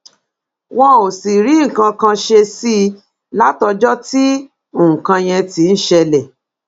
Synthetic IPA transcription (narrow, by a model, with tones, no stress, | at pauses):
wɔ̃˧o˨si˨ɾi˨˦ŋ̩˨kã˧kã˧ʃe˧si˦ | la˦tɔ˧d͡ʒɔ˦ti˦ | õ˦˨kã˧j̃ɛ̃˧ti˧n̩˦ʃɛ˧lɛ˨